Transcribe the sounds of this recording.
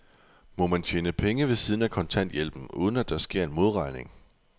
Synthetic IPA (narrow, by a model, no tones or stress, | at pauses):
mɒ̽mænt͡ɕʰeːnəpʰeŋəʋe̝siːð̞ˠn̩ækʰɒ̽nt͡sʰæn̰d̥jelb̥n̩ʔṵːð̞ˠn̩æd̥ɑ̈sɡ̥e̝ɐ̰e̝nmo̝ð̞ˠʁɑ̈ɪne̝ŋ